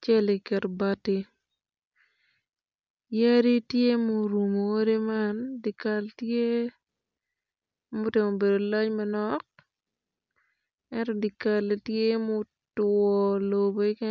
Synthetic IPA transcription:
t͡ʃɛ˦li˨kɛ˨ɾba˦ti˦ | ja˦ɾi˦tje˦mo˨ɾu˨mo˨˦ɾi˦mandɪ˨ka˨ltje˦ | mʊ˦te˨ŋo˨be˨do˨lɔ˦t͡ʃmɛnɔk̚ | ɛntɔ˨di˨kale˨tje˦mʊ˦ | twɔ˨loboi˦kɛ

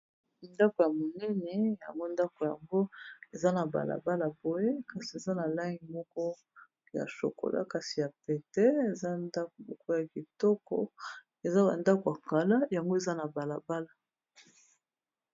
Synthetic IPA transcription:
nda˦ko˨ja˨mo˨nɛ˦nɛ˨ja̰˨ŋɡo˦nda˦ko˨ja̰˨ŋɡo˦e˨za˦na˨ba̰˨la̰˨ba˦la˨bo˨je˦ka˨si˨e˨za˦na˨la˦ŋɡi˨mɔ˦kɔ˦ | ja̰˨so̰˨ko̰˨lʔa̰˦ka˨si˨ja˨pe˨tɛ˦e˨za˦nda˦ko˨mɔ˨kɔ˦ja˨ki˨tɔ˦kɔ̰˨ | e˨za˦ba̰˨nda˦ko˨ja˨ka˨la˦ja˨ŋɡo˦e˨za˦na˨ba˨la˨ba˦la˨

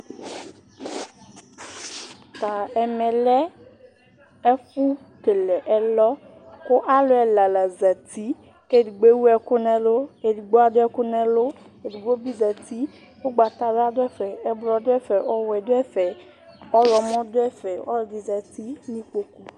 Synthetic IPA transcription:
t̪a˨ɛ˨mɛ˨lɛ˦ | ɛ˦fu˦ | ke˨lɛ˨ʔɛ˦lɔ˦ | kʊ˦ʔa˦lʊ˦ɛ˨la˨la˨za˨t̪i˦ | ke˦˨di˨ɡ͡be˦wu˦ɛ˨kʊ˦nɛ̃˨lʊ˦e˨di˨ɡ͡bo˦a˦dʊ˦ɛ˦kʊ˦nɛ̃˦lʊ˦ | e˨di˨ɡ͡bo˦bi˦za˨t̪i˦ | o˦ɡ͡ba˨t̪a˦za˦dʊ˦ɛ˦fɛ˨ɛ˨blɔ˨dʊ˦ɛ˦fɛ˨ʔɔ˦wɛ˨dʊ˦ɛ˦fɛ˨ | ɔ˦lɔ˨mɔ̃˦dʊ˦ɛ˦fɛ˨ɔ̰˦ldi˨za˨t̪i˦nĩ˦k͡po˨ku˦

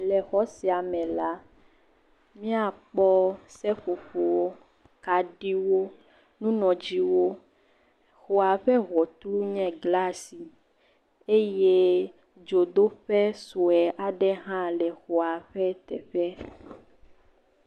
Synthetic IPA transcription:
lɛ˨xɔ˦si˨a˨mɛ̃˨la˨˦ | mĩ˦a˨k͡pɔ˦sɛ˦ɸo˨ɸo˨wo˦ | ka˨ɖi˦wo˦ | nũ˦nɔ̃˨d͡ʒi˦wo˦ | xo˨a˨ɸɛ˦ɣɔ˨t̪lu˦ɲɛ̃˦ɡla˦si˨ | e˦je˦ | d͡ʒo˨d̪o˦ɸɛ˦so˨ɛ˨ʔa˨ɖɛ˦ɦã˦lɛ˨xo˨a˨ɸɛ˦t̪ɛ˨ɸɛ˦

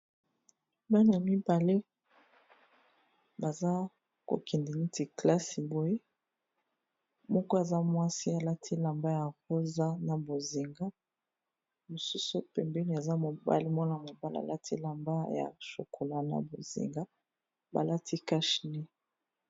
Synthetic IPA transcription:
ba˦ni˨a˨mi˦ba˨le˦ | ba˨za˦ | ko̰˨kɛ˨ndi˨ni˦ti˨kla˦si˨bo˨je˦ | mɔ˦ko˦e˨za˦mwa˦si˦a˨la˦tʰi˦la˨mba˦ja˨ko˦za˦na˨bo˨zi˨ŋɡa˦ | mo˨su˦su˦pɛ˨mbɛ˦ni˨a˨za˦mo˨ba̰˦li˦mɔ˦na˨mo˨ba˦la̰˨la˦tʰi˦la˨mba˦ja̰˨ʃo̰˨ko˨la˨na̰˨bo˨zḭ˨ŋɡa˦ | ba̰˨la˦tʰi˦ka˦ʃne˦

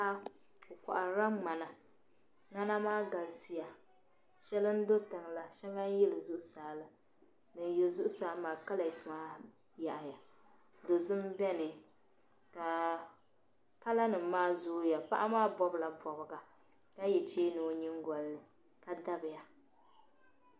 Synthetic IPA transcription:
a˦ | o˨ka̰˨ʔa˨ɾa˦mŋ͡ma˨na˨ | ŋa˦na˦maː˦ɡa˨lsi˦ja˨ | ʃɛ˦lɨ˦n̩˦do˦tɨ˨ŋla˨ʃɛ˦ŋa˦jɛ˦lɨ˨zʊ˦ʔʊ˦saː˨˦lɨ˨ | nɨ˨n˦jɛ˨zʊ˦ʔʊ˦saː˨˦lmaː˨ka˦la˨smaː˦ | ja˨ʔa˨ja˨ | do˨zɨ˦mbɛ˦nɨ˨ | ka˨ | ka˦la˦nɨ˨m̩ː˦aː˦zʊː˦ja˨pa̰˦ʔa˦maː˦bɔ˦bla˨bɔ˨bɨ˨ɡa˨ | ka˦jɛ˨t͡ʃeː˦nɨ˨ɲɪ˦ŋɡɔ˨lnɨ˨ | ka˨da˦bɨ˨ja˨

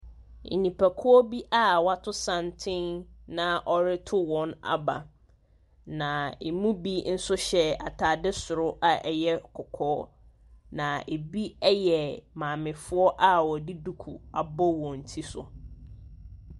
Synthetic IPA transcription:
n̩̰˨nĩ˨pʰæ˨kʰʊ˦ɔ˦bi˦ʔa˦wa˨tʰʊ˦sã˨ntʰɪ̃˦nnã˦ʔɔ˨ɾɪ˦tʰʊ˦wɔ̃˨na̰˨ba̰˨ | nã˨ḛ˨mũ˦bi˦n̩˦sʊ˦ɕɛ˦a̰˨tʰaː˨dɪ˦sʊ˨ɾʊ˦ʔa˨ʔɛ˨jɛ˦kʰɔ˨kʰɔː˦ | nã˨e˨bi˦ɛ˦jɛ˨mãː˨mɪ̃˨fʊ˦ɔ˦ʔa˦wɔ˨di˦du˦kʰu˨a˨bɔ˦wɔ̃˨n̩˨tʰi˦sʊ̰˨

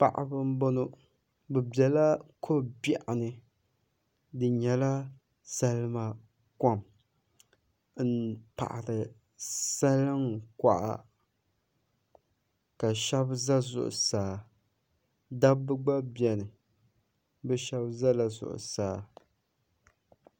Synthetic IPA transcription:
pa̰˨ʔa̰˨bɨ˦m˦bo˦nʊ˦ | bɛ˨bɛ˨la˦kʰo˦bja˨ʔa˨nɨ˨ | dɨ˨ɲɛ˨la˦ | sa˦lɨ˦ma˨ | ka˦m | n̩˦pa̰˨ʔa˨ɾɨ˨ | sa˦lɨ˦ŋka̰˨ʔa̰˨ | ka˨ʃɛ˦bza˦zʊ̰˨ʔʊ̰˨saː˨ | da˦bːɨ˦ɡ͡ba˦bi˨˦ɛ˨nɨ˨ | bɛ˦ʃɛ˦bza˦la˨zʊ̰˨ʔʊ̰˨saː˨

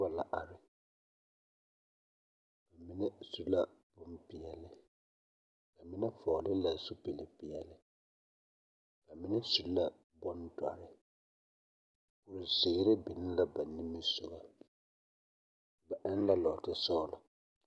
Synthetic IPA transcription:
a˦la˨ʔa˨ɾɪ˦ | ba˨mi˦nɛ˦su˦la˦bʊ˦m˦pi˨ɛ˨lɪ˦ | ka˨mi˦nɛ˦fɔ˨lɪ˦la˨su˦pe˨lɪ˨pi˨jɛ˨lɪ˦ | ka˨mi˦nɛ˦su˨˦la˦ | bɔ˦ndwa̰˨ɾɪ˦ | pʊ˨ɾɪ˨zɪː˨˦ɾɪ˦bɪ˨nɪ˦la˦ba˨nːi˦mi˦sʊ˨ɡa˨ | ba˨ʔɛ˦n˦la˦lɔ˨tɪ˨sɔ˦la˨

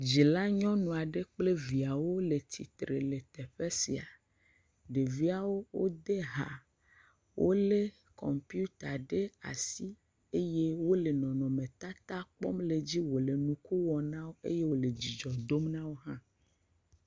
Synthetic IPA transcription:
d͡ʑi˨la˦ɲɔ̃˦nũ˨a˨ɖe˦k͡ple˦vi˨a˨wo˦le˨t̪ʰḭ˨t̪ɾḛ˨le˨t̪e˨ɸe˦si˨a˨ | ɖe˨vi˦a˨wo˦wo˦d̪e˦ɦa˨ | wʔo˦le˦ | kɔ̰˨mpi˦u˦t̪a˨ɖe˦a̰˨si˦ | e˦je˦wo˦le˨nɔ̃˨nɔ̃˨mẽ˨t̪a˦t̪a˦k͡pɔ̰˦mle˨d͡ʑi˦wo˨le˨nũ˨ku˦wɔ˨nã˦wo˦ḛ˦je˦wo˦˨le˨d͡ʑi˨d͡ʒɔ˨d̪o˦mnã˦wo˦ɦã˦

